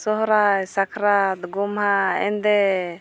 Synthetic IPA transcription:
sɔɦɾajsakʰɾat̪ɡɔmɦaɛ̰nd̪ɛ

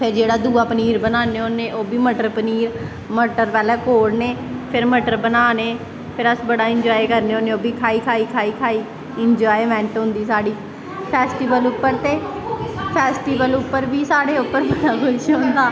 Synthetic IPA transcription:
pʰɪɾd͡ʒeːɽaːd̪uːaːpəniːɾbənaːneːoːneːʔoːbiːməʈəɾpəniːɾ | məʈəɾpɛːlɛːkoːɽneːpʰɪɾməʈəɾbənaːneː | pʰɪɾəsbəɽaːɪɲd͡ʒɔːekəɾneːõːneːoːbiːkʰaːiːkʰaːiːkʰaːiːkʰaːiː | ɪɲd͡ʒɔːjmɛ̃ːɳʈɦʊ̃nd̪iːsaːɽiː | pʰɛːsʈiːʋəlʊpːəɾt̪eː | pʰɛːsʈiːʋəlʊpːəɾbiːsaːɽeːʊpːəɾɪd̪aːkʊt͡ʃɦʊ̃nd̪aː

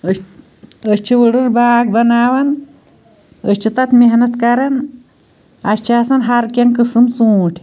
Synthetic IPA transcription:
əst͡ʃʰiʋəɽɨɾbaːɡ̚bɐnaːʋɐn | əst͡ʃʰit̪ɐt̪meɦnɐt̪kɐɾɐn | ɐst͡ʃʰaːsɐnɦɐɾkʲɐŋkɨsɨmsũːʈʰ

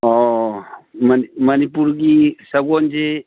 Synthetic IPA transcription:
ɔ | mənmənipuɾɡisəɡɔnd͡ʒe

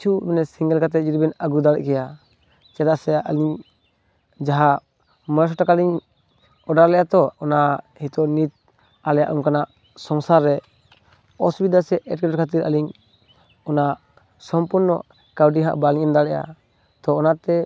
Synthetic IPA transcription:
t͡ʃʰubɛnɛsiŋɡɛlkat̪ɛd͡ʒiɾibɛnaɡud̪alɛ̰ʔkɛja | t͡ʃɛd̪aʔsɛʔaliɲ | d͡ʒaɦa | mɔs̬ɔʈakaliɲ | ɔɖaɾlɛʔat̪ɔɔna | hit̪ɔnit̪̚ | alɛja̰ʔuŋkanaʔ | sɔŋsaɾːɛ | ɔsubid̪asɛʔɛʈ̚kɛɔɾkʰat̪̬iɾa̰liɲ | ɔnaʔ | sɔmpuɾnɔ̰ | kawɖiɦa̰ʔbaliɲɛmd̪alɛʔa̰ | t̪ɔːnat̪ɛ

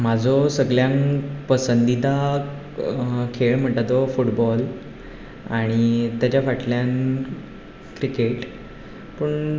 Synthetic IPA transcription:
m̤ad͡zʱɔsəɡɭjãŋpəsənd̪id̪a | kʰeɭm̤əɳʈ̪at̪ɔfuʈbɔl | aɽ̃it̪jat͡ɕafaʈljan | kɾikeʈ | pəɳ

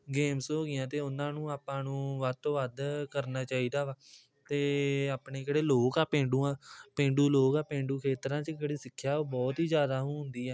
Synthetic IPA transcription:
ɡeːmsɦoːɡɪjãːt̪eːʊnãːnũːaːpãːnũːʋəd̪̚t̪õːʋəd̪kəɾnaːt͡ʃaːiːd̪aːʋaː | t̪eːaːpɳeːkeːɽeːloːkaːpẽːɳɖuːãːpẽːɳɖuːloːkaːpẽːɳɖuːkʰeːt̪ɾãːt͡ʃkeːɽiːsɪkʰːjaːbɔːt̪iːd͡ʒjaːd̪aːɦũːɦʊ̃nd̪iːɛː

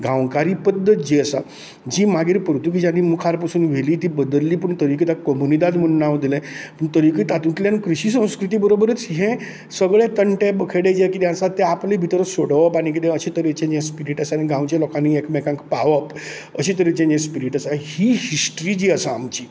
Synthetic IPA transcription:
ɡãwkaɾipəd̪ʱːət̪̚d͡ʑiəsa | d͡ʑiːmaɡiɾpɾut̪uk̬id͡ʑanimukʰaɾpəsuːnʋeliːt̪iːbəd̪əlːiːpəɳt̪əɾikit̪akəmunid̪ad͡zmənːaʋd̪ilɛ̃puɳt̪əɾikit̪at̪ũt̪ljankɾiɕiːsə̃w̃skɾut̪̬iːbəɾobəɾət͡sɦẽ | səɡɭẽt̪əɳʈẽbəkʰeɽed͡ʑekit̪jãnsat̪ːeaplibʱit̪əɾəsoɽəʋəpaɽ̃ik̬it̪ẽəɕit̪əɾit͡ɕẽd͡ʑẽspiɾiʈəsaɾniɡãwt͡ɕalɔkãniekmɛkãŋkpaʋəp | əɕit̪əɾit͡ɕẽɲd͡ʑẽspiɾiʈəsahiːhisʈɾiːd͡ʑiːəsaːmt͡ɕiː

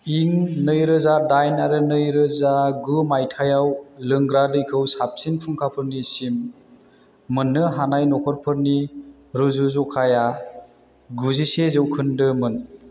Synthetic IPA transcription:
iŋnɯjɾɯzadajnaɾɯnɯjɾɯzaɡɯmajtʰajawlɯŋɡɾadɯjkʰɯwsap̚sinpʰɯŋkʰapʰɯɾnisim | ɯnːɯɦanajnɔkʰɔɾpʰɯɾni | ɾɯzuzɔkʰaja | ɡuzisezɯwkʰɯndɯmɯn

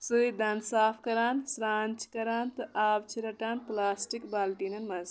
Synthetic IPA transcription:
sɨid̪ɐnsaːpʰkɐɾaːnsɾaːnt͡ʃkɐɾaːnt̪ɨʔaːbt͡ʃʰiɾɐʈaːnplaːsʈikbaːlʈiːnɐnmɐz

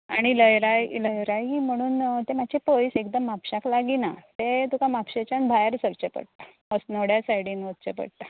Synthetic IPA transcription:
aɽ̃iləjɾajləjɾaim̤əɽ̃uːnt̪emad͡ʑepojsekd̪əmːapɕaklaɡinat̪et̪ukamapɕet͡ɕanbʱajɾsəɾt͡ɕepə̰ɽt̪a | əsnoɽjasajɽiːnʋət̪̚t͡ɕḛpə̰ɽt̪a

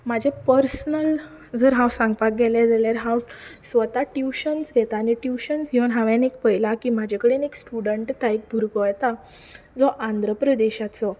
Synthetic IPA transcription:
mad͡ʑʱapəɾsnəl | d͡zəɾɦãwsãŋɡpak̚ɡɛlad͡zaljaɾɦãwsʋət̪aʈjuɕənsɡʱɛt̪aːniʈjuɕənsɦiʋənɦaʋãnekpəɦjlakimad͡ʑʱakəɽeneksʈuɽəɳʈt̪aik̚bʱuɾɡɔjt̪a | d͡zɔʔand̪ʱɾəpɾəd̪eɕat͡sɔ

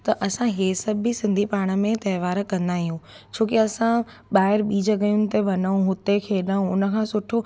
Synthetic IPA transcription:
t̪ɐʔɐsãɦesɐbʱisɪ̃nd̪ʱipaːɽ̃ə̆mẽt̪ɐːʋaːɾkɐ̃nd̪aːɦiɦũː | t͡ɕʰoːkeɐsã | ɓaːɪɾɓiːd͡ʑəɡɐjũnɪ̆t̪ʰeʋɐnaũɦʊt̪ekʰeːɗaũʊnə̆kʰãːsʊʈʰo

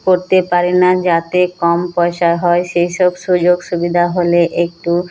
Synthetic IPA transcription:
koɾt̪epaɾenad͡ʑat̪ekɔmpɔeʃaɦɔeʃejʃɔbʃud͡ʑoɡʃubid̪ʱaɦoleʔek̚ʈu

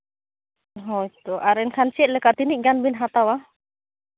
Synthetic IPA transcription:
ɦɔit̪uʔaɾɛnkansiɛʔləkat̪iniʔŋɡanbinɦat̪awa

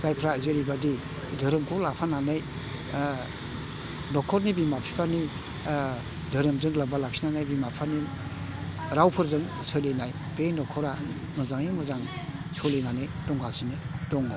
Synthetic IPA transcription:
zajpʰɾaizeɾibadi | dʱəɾɯmkʰɔlapʰananaj | nɔkʰɔɾnibimapʰipani | dʱəɾɯmzɯŋlabalak̚sinanajbimapʰani | ɾawpʰɯɾzɯŋsɯlenaj | b̥enɔkʰɔɾa | mɯzaŋimɯzaŋ | sɔlenanedɔŋɡʰasinidɔŋɡɔ

